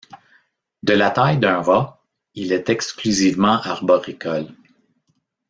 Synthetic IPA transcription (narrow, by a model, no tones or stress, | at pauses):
d̪əlat̪ajd̪ɛ̃ːʁɔ | ilɛt̪ɛksklyzivmɑ̃ʔaʁbɔʁikɔl